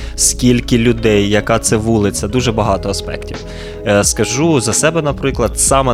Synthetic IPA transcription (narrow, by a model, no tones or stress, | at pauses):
skʲilʲkɪlʲʊd̪ɛjːɐkɑt̪sɛʋulˠɪt͡sʲɐd̪uʒɛbɐɦɑt̪ɔɐspɛ̰ktʲiw | skɐʒuzɐsɛbɛnɐpɾɪklˠɐd̪̥sɑmɛ